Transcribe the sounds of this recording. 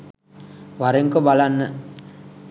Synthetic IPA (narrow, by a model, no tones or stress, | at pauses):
ʋaɾeŋkobalanːə